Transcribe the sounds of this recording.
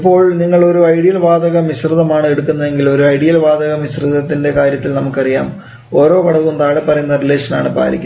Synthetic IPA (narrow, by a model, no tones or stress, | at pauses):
ipːo̞ːɭniŋːɐɭo̞ɾuɐjɽijɐlʋaːd̪ɐɣɐmiɕrɨðɐmaːɳɨe̞ɽukːunːɐðe̞ŋɡilo̞ɾuɐjɽijɐlʋaːd̪ɐɣɐmiɕrɨðɐt̪ːinde̞kaːɾjɐt̪ːilnɐmukːɨɐrijaːm | o̞ːɾo̞ːkɐɽɐʋund̪aːɽepɐrɐjunːɐrile̞ːʂɐnaːɳɨpa̰ːlik̪ʲː